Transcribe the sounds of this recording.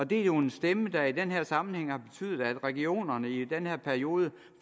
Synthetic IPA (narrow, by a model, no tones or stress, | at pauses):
ɒ̽d̥e̝æjo̝e̝nsd̥eməd̥ɑid̥enɦeɐ̰sɑ̈mn̩heŋ̰hɑ̈b̥e̝t͡sʰy̰ːðˠð̩ˠæd̥ʁɛɡio̝̰ːnɐnəid̥enheɐ̰pʰæɐio̝ːð̞ˠə